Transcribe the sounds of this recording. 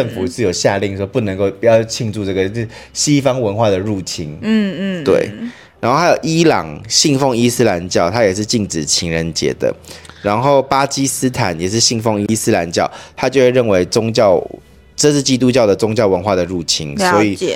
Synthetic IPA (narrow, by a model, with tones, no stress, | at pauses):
ə˥˩ŋfu˨˩ʂɻ̩˥˩˨jo˨˩ʊɕja˥˧li˥˩ŋʂwɔ˥pu˥˩nə˧˦ŋko˥˧ʊpu˨˩jɑ˥˧˩ʊt͡ɕʰi˥˧ŋʈ͡ʂu˥˧ʈ͡ʂɤ˥˩ɡə˩ɕi˦fɑ˥ŋwə˧˦nxwa˥˩d̪ə˩ɻu˥˩t͡ɕʰi˥n˥t̪wḛ˥˩ɪ | ɻa˨˧˥nxo˥˩a˥jo˨˩ʊi˦˥lɑ̰˨˩ŋɕi˥˧ŋfɔ˥˧ŋi˥sɹ̩˥la˧˦nt͡ɕjɑ˥˩ʊt̪ʰa˥jɛ˨˩ʂɻ̩˥˧t͡ɕi˥˩ŋʈ͡ʂɻ̩˨˩t͡ɕʰi˧˥ŋɻə˧˦nt͡ɕjɛ̰˧˥d̪ə̰˨ | ɻa˧˦nxo˥˩ʊpa˥t͡ɕi˥s̩˥t̪ʰa˨˦njɛ˨˩ʂɻ̩˥˧ɕi˥˧ŋfɔ˥˧ŋi˦˥sɹ̩˥la˧˥nt͡ɕjɑ˥˩ʊt̪ʰa˥˦t͡ɕjo˥˧ʊxe˥˧ɻə˥˩nwe˧˥ɪʈ͡ʂʊ˥ŋt͡ɕɑ˥˨ʊ | ʈ͡ʂɤ˥˧ʂɻ̩˥˩t͡ɕi˥t̪̬u˥t͡ɕjɑ˥˩ʊd̪ə˩ʈ͡ʂʊ˥ŋt͡ɕjɑ˥˩ʊwə˧˦nxwa˥˩d̪ə˩ɻu˥˩t͡ɕʰi˧˥nswɔ˧˦˥i˨˩